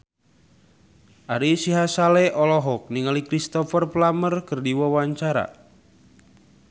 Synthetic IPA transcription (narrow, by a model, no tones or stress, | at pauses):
ʔaɾisiɦasalɛʔɔlɔɦɔk̚niŋalikɾist̪ɔfərplamərkərdiwawaɲt͡ʃaɾa̰